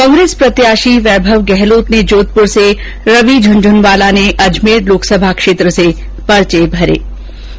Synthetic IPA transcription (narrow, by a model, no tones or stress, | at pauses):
kɔ̃ːŋɡɾeːspɾɐt̪jaːʃiʋɛːbʱəʋɡɛɦloːt̪ned͡ʒoːt̪̚pʊɾse | ɾɐʋid͡ʒʱʊnd͡ʒʱʊnʋaːlaneʔɐd͡ʒmeːɾloːksəbʱakʃeːt̪ɾəse | pɐɾt͡ʃebʱɐɾḛː